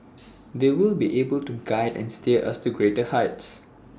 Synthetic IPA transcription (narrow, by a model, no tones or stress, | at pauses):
d̪ewɪlbiʔebəltuɡaɪdɛ̰̃nsteʔa̰stuɡɹetəhaɪts